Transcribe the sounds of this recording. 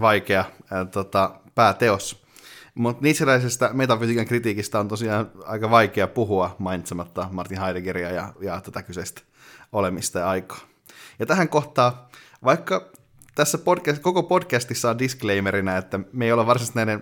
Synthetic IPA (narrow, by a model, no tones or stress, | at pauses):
ʋɑikeɑt̪ot̪ɑpæːt̪eos | mut̪niːt̪selːæisest̪æmet̪ɑpysiːkɑŋkrit̪iːkist̪æont̪osiɑːnɑ̰ikɑʋɑikeɑpuɦuɑmɑinit̪semɑt̪ːɑmɑrt̪inɦɑideɡeriɑjɑ̰jɑt̪ot̪ɑkyseist̪æ̥ | olemist̪ɑjɑɑikɑ̥ː | jɑt̪æɦæŋkoht̪ɑː | ʋɑikːɑ | t̪æsːæpodkæskokopo̞dkæst̪isːæondiskleimeɾinæet̪ːæmeijoleʋɑrsimɑst̪næinen